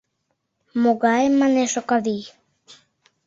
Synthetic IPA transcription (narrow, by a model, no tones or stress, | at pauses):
moɣaemːaneʃokaði